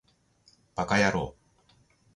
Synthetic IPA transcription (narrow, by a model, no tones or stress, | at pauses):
b̥akajaɾo̰ː